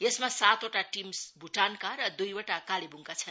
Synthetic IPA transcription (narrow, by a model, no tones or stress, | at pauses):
jesmasat̪oʈaʈimsbʱuʈankaɾʌd̪ujoʈakalebʱuŋkat͡sʰʌn